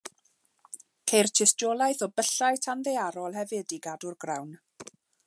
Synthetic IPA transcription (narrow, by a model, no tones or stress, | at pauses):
kʰejrtʰɪstɔlˠajθɔbəɬajtʰanðejaɾɔlˠɦɛvɪdiɡadʊrɡrawn